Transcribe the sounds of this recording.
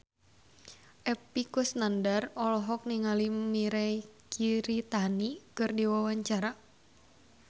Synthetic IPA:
ʔɛpikʊsnandarɔlɔɦɔk̚niŋalimiɾɛkʰiɾit̪anikɨrdiwawaɲt͡ʃaɾa

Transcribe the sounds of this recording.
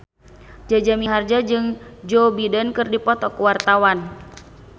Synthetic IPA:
d͡ʒad͡ʒamiɦard͡ʒad͡ʒɨŋd͡ʒobidənkɨrdipɔt̪ɔkuwart̪awan

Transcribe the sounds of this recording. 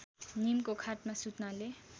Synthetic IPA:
nimkokʰaʈ̚masut̪nale

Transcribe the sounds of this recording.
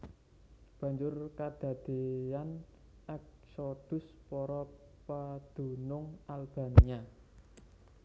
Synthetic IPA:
b̥ä̤ɲd͡ʒʊrkad̪̥ä̤d̪̥e̤an | ɛk̚sod̪̥ʊ̤s | pɔɾɔ | pad̪̥ṳnʊŋalb̥a̤nia

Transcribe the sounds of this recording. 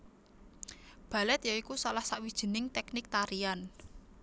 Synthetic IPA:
b̥a̤lɛt̪̚jaikusalahsaʔwid̥ʒ̥ə̤nɪŋt̪ɛknɪk̚t̪aɾian

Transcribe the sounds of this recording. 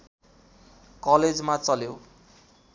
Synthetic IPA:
kʌled͡zmat͡sʌljo

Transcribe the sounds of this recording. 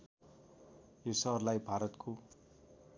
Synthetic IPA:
josʌrlajbʱaɾʌt̪kʰo

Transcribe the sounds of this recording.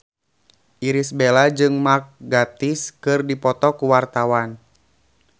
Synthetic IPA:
ʔiɾisbelad͡ʒɨŋmark̚ɡat̪iskɨrdipɔt̪ɔkuwart̪awan

